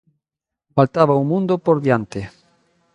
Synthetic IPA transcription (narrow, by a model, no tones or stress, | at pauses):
falt̪aβaumũnd̪opoɾðjant̪ɪ